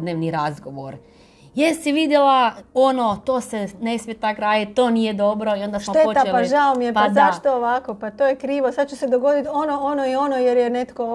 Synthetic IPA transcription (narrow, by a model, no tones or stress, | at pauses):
d̪neːʋniɾazɡo̞ʋoɾ | jesiʋid̪jelaonot̪oːsene̞smjet̪akɾaːd̪it̪̚t̪o̞ːnijed̪o̞bɾo̞io̞nd̪assʃmot̪eot̪aelpaʒaomijepazaʃt̪ooʋakopat̪oːjekɾiːʋosad̪̚t͡ʃused̪oɡo̞d̪it̪onoonoio̞nojeɾjenet̪ko